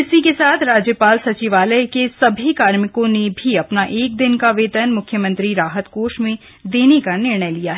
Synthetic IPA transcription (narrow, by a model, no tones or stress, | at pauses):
ɪsikesaːt̪ʰɾaːd͡ʒjəpaːlsɐt͡ʃiʋaːləjkesɐbʱikaːɾmɪkõnebʱiɐpnaʔeːk̚d̪ɪnkaʋeːt̪ənmʊkʰjəmɐ̃nt̪ɾiɾaːɦət̪koːʃmẽ | d̪eːnekanɪɾɳ̃əjlijaɦɛ